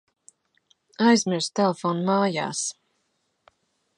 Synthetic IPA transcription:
ajzmiɾst̪ɛlˠefɔːnumaːja̰ːs

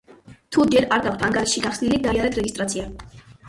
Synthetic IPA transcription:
t̪ʰud͡ʒɛɾaɾɡakʰʷt̪ʰaŋɡaɾisʃiɡaχsnilid̪aaɾɛt̪ʰɾɛɡist̪ʼɾat̪sʰia

